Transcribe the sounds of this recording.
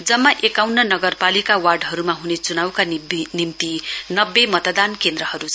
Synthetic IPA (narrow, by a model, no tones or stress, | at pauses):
d͡zʌmːaʔekawnʌnʌɡʌrpalikawarɖɦʌɾumaɦunet͡sunawkanimt̪inʌbːemʌt̪ʌd̪ankend̪rʌhʌɾut͡sʰ